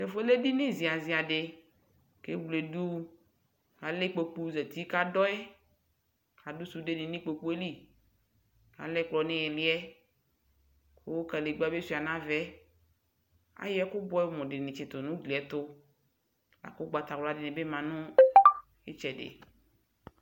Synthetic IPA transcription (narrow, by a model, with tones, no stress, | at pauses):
ʃɛ˨fo˦e˦le˦di˦nẽ˦zi˨a˨zi˨a˨ɖe˨ | ke˦wle˨du˦ | ka˨le˦k͡po˨k͡pu˦zɛ˨t̪i˦ka˦dɔ˦ɛ˦ | ka˨du˦su˨de˦nĩ˨nĩ˦k͡po˨k͡pu˦e˦li˦ | ka̰˨lɛ˦k͡plɔ˨nẽ˦jɛ˨li˦ɛ˦ | ko˦wo˦ka˨le˨ɡ͡ba˦be˦si˨a˨nã˦vɛ˦ | a̰˦jɛ˦kʊ˦bɔ˦ɛ˦mɔ̃˨ɖe˨nẽ˨t͡ʃɪ˨t̪o˨nũ˦ɡli˨ɛ˦t̪ʊ˦ | la̰˨ko˦ɡ͡ba˨t̪a˨wlɔ˦a˦dɪ˨nẽ˨be˦mã˨nʊ̃˦ | e˦t͡ʃɛ˨ɖḛ˨